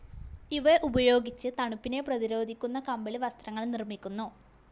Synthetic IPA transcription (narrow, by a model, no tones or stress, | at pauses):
iʋeʔubɐjo̞ːɡit͡ɕːɨt̪ɐɳupːine̞prɐðiɾo̞ːd̪ʱikʲːunːɐkɐmbɐɭiʋɐst̪rɐŋːɐɭnirmikʲːunːu